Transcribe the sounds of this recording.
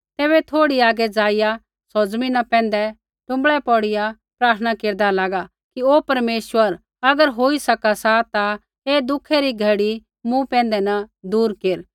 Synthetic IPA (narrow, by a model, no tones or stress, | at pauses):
t̪eːβɛt̪ʰoːɽiaːɡɛd͡zaːɪja | sod͡zminɐpɛ̃ːnd̪ɛ | ʈʊ̃mbɭɛpɔːɽɪja | pɾaːɾt̪ʰənakeːɾd̪alaːɡa | kioːpɐɾmeːswəɾ | ɐɡəɾɦoːisɐkasat̪a | eːd̪ʊkʰːɛɾiɡʱɐɽi | mũpɛ̃ːnd̪ɛnɐd̪uːɾkeːɾ